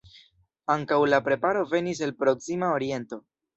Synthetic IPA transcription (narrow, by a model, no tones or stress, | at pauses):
aŋkawlapɾe̞paɾo̞ve̞nis̬elpɾo̞ksimao̞ɾie̞nto̞